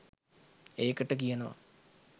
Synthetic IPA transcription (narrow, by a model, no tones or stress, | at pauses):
eːkːəʈːəkijɐnɐʋɐ̰